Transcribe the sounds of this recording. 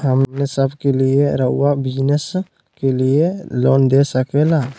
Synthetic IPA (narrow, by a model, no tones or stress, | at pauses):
həmnesəbkelieɾəuwabid͡ʒnɛs | kelielond̪esəkɛla